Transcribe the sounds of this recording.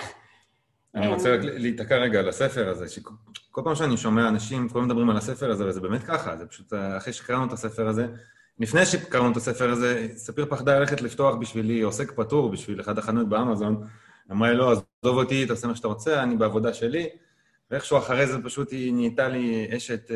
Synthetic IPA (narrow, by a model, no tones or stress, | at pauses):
aniʁot͡seʁaklliːt̪akeʁːeɡaːlasefe̞ʁaze̞ʃeko̞lpaːmʃeaniʃo̞meaːnaʃimkulamed̪abʁimalase̞fe̞ʁazevezebeːme̞t̪̚kaχa̰zepḁʃut̪aχejʃe̥kaʁanuet̪ase̞feʁaze̞ | lifnejʃekaʁanuet̪asefeʁaze̞sapiʁpaχd̪alale̞χet̪lift̪o̞aχbiʃvilio̞se̞kpatuʁbiʃvileχad̪aχanot̪̚beamazo̞n | amʁalo̞azdovot̪it̪aosemaʃeat̪aʁo̞t͡seanibeavo̞d̪aʃe̞li | veeχʃuaχaʁejzepaʃut̪iniːt̪alieʃet̪